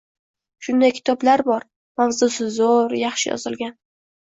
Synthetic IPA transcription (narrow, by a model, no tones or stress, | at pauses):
ʃʊnd̪ajkʲʰɪ̥t̪ʰɒblaɾbɒɾ | mavzusɪzoɾjɑχʃɪjɒ̰zɪlɡʲan